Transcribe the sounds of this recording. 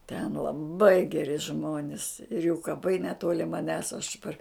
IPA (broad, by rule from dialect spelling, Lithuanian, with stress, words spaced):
tʲɛn lˠɐˈbɐɪ ɡʲɛˈrʲɪ ˈʒmoːnʲɪs ɪr juː kɐˈpɐɪ nʲɛˈtoːlʲɪ mɐˈnʲæːs ɐʃ pɐr